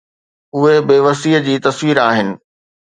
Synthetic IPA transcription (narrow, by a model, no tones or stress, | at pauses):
ʊɦebeːʋɐsiːəd͡ʑiːt̪ɐsʋiːɾaːɦɪnɪ̆